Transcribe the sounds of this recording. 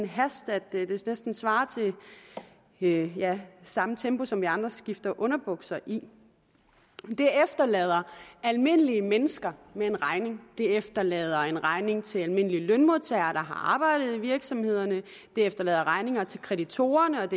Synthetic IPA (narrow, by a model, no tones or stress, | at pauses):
nɦæsd̥æd̥d̥e̝nesd̥n̩sʋɑ̈ːt͡sʰe̝ | jæsɑ̈mət͡sʰembo̝sɒ̽mʋiɑ̈nd̥ʁɐsɡ̥ifd̥ɐʔɔ̽nɐb̥ɔɡ̥sɐʔi | d̥e̝efd̥ɐlɛ̰ːð̞ˠɐælme̝nəliəmenəsɡ̥ɐmee̝nʁɑ̈ɪne̝ŋd̥e̝efd̥ɐlɛ̰ːð̞ˠɐe̝nʁɑ̈ɪne̝ŋt͡sʰe̝lælme̝n̰əliəlœnmo̝ðˠt͡sʰɛɪɐːɾ̥ɑ̈ɦɑ̈ʔɑ̈ːb̥ɑ̈ɪ̰ɾ̥ð̞̩ˠiʋiɐɡ̥sɒ̽mhe̝ð̞̰ˠɐnə | d̥e̝efd̥ɐlɛ̰ːð̞ˠɐʁɑ̈ɪne̝ŋɐt͡sʰe̝lkʰʁɛɾit͡sʰo̝̰ːɐnəɒ̽d̥e